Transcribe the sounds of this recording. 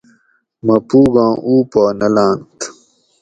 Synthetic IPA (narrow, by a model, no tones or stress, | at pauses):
mɐpuːɡãːʔuːpaːnɐlãːnt̪